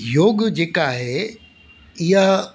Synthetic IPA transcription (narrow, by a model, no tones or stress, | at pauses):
joːɡd͡ʑeːkaɦe | ɪɦa